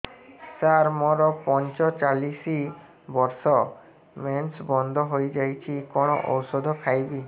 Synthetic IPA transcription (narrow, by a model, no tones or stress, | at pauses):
saɾmɔɾɔpɔnt͡ʃɔt͡ʃalisi | bɔɾsɔ | mensbɔnd̪ʱɔɦojd͡ʒajt͡ʃʰikɔɽ̃ɔ̰ʔɔ̰wsɔd̪ʱɔkʰajbi